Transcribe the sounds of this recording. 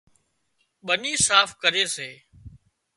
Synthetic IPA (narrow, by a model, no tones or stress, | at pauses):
ɓəniːsaːfkəɾeːseː